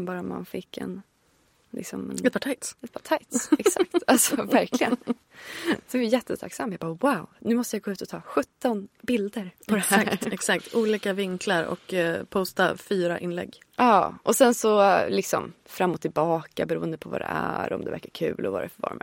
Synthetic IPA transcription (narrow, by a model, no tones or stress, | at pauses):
bɑːɾama̰nfɪkːɛ̰n | lɪ̰ksɔmɛnɛt̪̚pʰɑːʈʰaɪt̪sɛt̪̚pʰɑːʈʰajt̪sɛksak̚t̪alsɔvæɾklɪɡənn | sɛvɪjɛt̪ʰːət̪ʰaksamːjaɡbɑːwaʊnʉ̟ːmɔst̪əjaɡoːʉ̟t̪ɔt̪ʰɑːɧɵt̪ːɔnbɪld̪əɾpʰɔd̪ɛæɛksakt̪uːliːkavɪŋkʰlaɾɔ̰kpʰɔːst̪afyːɾaʔɪnlɛ̰ɡː | ɑːʔɔsɛnsɔlɪksɔ̰mfɾamːɔt̪ʰːɪlbɑːkabɛɾuːənd̪əpʰɔvɑ̰d̪ɛ̰æɾɔ̰md̪ɛvæ̰ɾkːaɾkʰʉ̟̰ːlɔva̰ɾɛfəvɑ̰ːɾmɛ